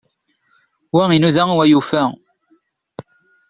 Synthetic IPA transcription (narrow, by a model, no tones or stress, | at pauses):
wæinuðæŋiwæjufæ